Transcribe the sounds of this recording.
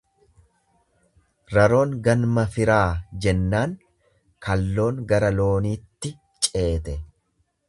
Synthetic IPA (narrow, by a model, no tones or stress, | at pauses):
ɾɐɾo̞ːŋɡɐnmɐfɪɾaːd͡ʒɛnːaːŋ | kʰɐlːo̞ːŋɡɐɾɐlo̞ːniːt̪ːɪ | t͡ʃʼe̞ːt̪ɛ